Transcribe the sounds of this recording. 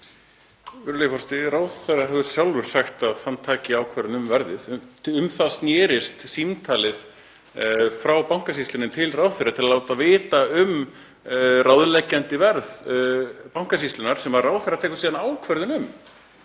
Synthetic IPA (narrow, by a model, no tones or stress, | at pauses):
vʏɾlejfɔɾst̪ɪraːwθɛraɦɛvʏ̥sjawlvʏɾ̥saxt̪aðθanːt̪ʰaːcɪaːwkʰvɛɾðɪnʏmvɛɾðɪðʏmθasnjɛːɾɪst̪simt̪ʰaːlɪθ | fɾawpaw̥ŋ̥kas̬ist̪lɪnɪmt̪ʰɪlrawθejɾat̪ʰɪlalawt̪avɪːt̪aʏm | rʔawðlɛcːɛnt̪ɪvɛɾð | paw̥ŋ̥kas̬islʏnaɾ̥sɛmvaɾraːwθeɾat̪ʰɛːhkʏ̥siðanaːwkʰvɛɾðʏnʏm